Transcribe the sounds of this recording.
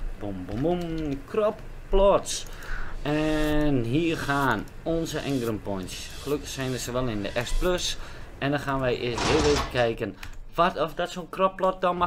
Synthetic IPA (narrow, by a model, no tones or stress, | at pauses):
b̥ombomumkrɔp | pːlɔts | ɛnɦiərxaːn | ɔnzəʔɛnɡrəmpɔjnsxəløkəχsɛjnəsəʋɛlˠɪndəʔɛspløsʔɛndɔxaːnʋɛjʔɪsɦɪːlˠʋeːtəkɛjkənʋatɔfdɔtsonkrɔplɔt̚dɔma